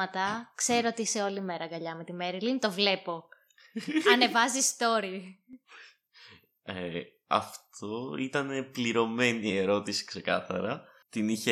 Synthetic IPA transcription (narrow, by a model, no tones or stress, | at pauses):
ɐt̪ɐkse̞ɾoot̪iiseo̞lime̞ɾɐɡɐʎɐme̞t̪imeɾilint̪o̞vle̞po̞ | ɐne̞vɐzist̪o̞ɾi | e | ɐ̰ft̪ʰo̞it̪ɐne̞pliɾo̞me̞nie̞ɾo̞t̪isi̥kse̞kɐ̰θɐ̰ɾɐ | t̪iniçe